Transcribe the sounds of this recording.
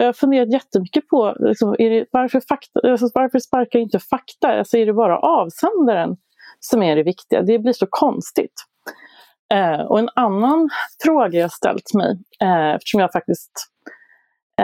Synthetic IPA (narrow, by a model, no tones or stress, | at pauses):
hafɵnd̪eːɾat̪̬jɛt̪ːəmʏkːəpʰɔlɪ̰ksɔmæɖɛvaɾfœɾfakt̪alsɔvaɾfœʂpaɾkaɾɪnt̪əfakt̪aa̰lsɔæɖɛbɑːɾa̰ʔɑːvsɛnd̪aɾən | sɔmæɖɛvɪkt̪ɪɡa̰d̪ɛblɪʂɔkʰɔnst̪ɪt̪ | ɔ̰ɛnanːanfɾoːɡajahaʂt̪ɛ̰lt̪mɛ̰jɛ̰ft̪ə̥ʂɔmjaːaɾfak̚t̪ɪst̪